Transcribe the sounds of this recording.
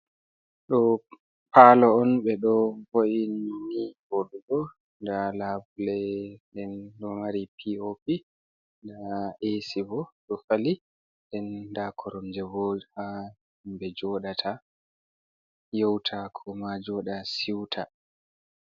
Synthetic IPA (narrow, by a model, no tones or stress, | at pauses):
ɗɔ | pʰalɔɔnɓɛɗɔvoʔinːibɔɗuɡɔ | ndalabulɛdɛnɗɔmaɾipʰiopi | ndaʔesibɔɗɔfali | dɛndakʰɔɾɔmd͡ʒɛbɔlha | mbɛd͡ʒɔɗatʰa | jɔwtʰakʰɔmad͡ʒɔɗasiwtʰa